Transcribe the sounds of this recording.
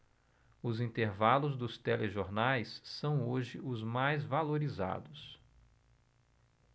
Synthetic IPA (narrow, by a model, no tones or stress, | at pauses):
ʊzĩnt̪eɾvalʊzd̪ʊst̪ɛleʒoɾnajsːɐ̃w̃oʒɪʊzmajzvaloɾiza̰d̪ʊs